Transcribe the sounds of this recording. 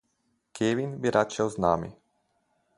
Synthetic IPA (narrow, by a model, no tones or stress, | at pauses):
kʰɛʋinbiɾat͡ʃɛlznaːmḭ